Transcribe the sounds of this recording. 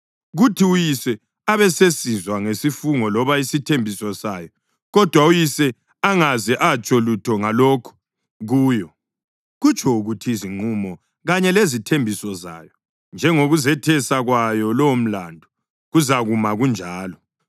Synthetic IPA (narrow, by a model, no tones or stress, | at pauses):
ɣutʰiujisɛ | aβɛsesizwaŋesifuŋɔlɔβaisitʰembʱisɔsaːjɔ | ɣɔd̥ʱwaujisɛ | aŋazɛʔat͡ʃʼɔlutʰɔŋalɔːkʰu̥ | ɣuːjɔ | ɣut͡ʃʰʼɔuɣutʰiiziŋ͡ǃumɔ | ɣaɲɛlezitʰembʱisɔza̰ːjɔ | nd͡ʒʱɛŋoɣuzɛtʰɛsaɣwajɔlɔwom̩landʱɔ | ɣuzaɣumaɣund͡ʒʱaːlɔ